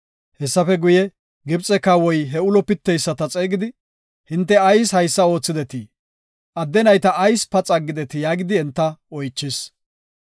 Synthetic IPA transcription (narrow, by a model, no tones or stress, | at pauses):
hɛsːɐfɛɡʊjɛ | ɡɪbt͡sʼɛkːawɔjɦɛʊlɔpɪt̪ːɛjsːɐt̪ɐt͡sʼeːɡɪd̪ɪ | hɪnt̪ːɛɐjshɐjsːɐo̞ːt͡sːɪd̪ɛt̪ɪ | ʔɐd̪ːɛnɐjt̪ɐʔːjspɐt͡sʼɐɡːɪd̪ɛt̪ɪjaːɡɪd̪ɪɛnt̪ːɐɔjt͡ʃːɪs